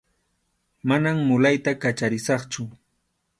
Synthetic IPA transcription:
manamːʊlajt̪akat͡ʃaɾɪsɑχt͡ʃʊ

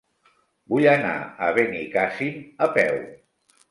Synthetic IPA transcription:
bujəna̰əβenikasiməpɛw

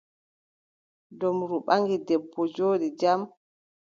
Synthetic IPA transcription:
dɔmɾuɓaŋɡidɛbːɔd͡ʒoːɗid͡ʒam

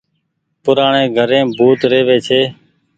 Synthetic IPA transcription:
pʊɾaːɳeːɡʱəɾẽːbʱuːt̪ɾeːʋeːt͡ʃʰeː

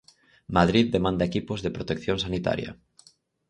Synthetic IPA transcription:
maðɾiðd̪emãnd̪ɐekipozðepɾot̪ekθjõŋsanit̪a̰ɾjɐ̰

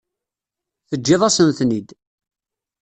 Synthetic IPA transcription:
θəd͡ʒːɪðˤɑsəmθnid̪

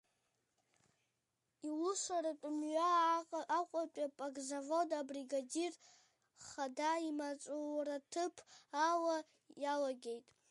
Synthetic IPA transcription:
iluʂʷaɾatʼʊmɥaː | qʷʼatʷʼapʼaɡzavodabriɡadir | χadaimat͡sʷʼuratʰɨpʰawa | jalaɡʲe̞jtʼ

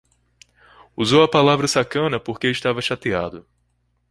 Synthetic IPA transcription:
uzowɐpalavɾɐsakɐ̃nɐpoɾkeɪʃt̪avɐʃat̪iad̪ʊ

